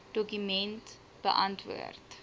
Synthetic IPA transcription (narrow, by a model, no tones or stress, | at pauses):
d̥ɔkymɛnt | b̥ə̰ʔɐntvṵərt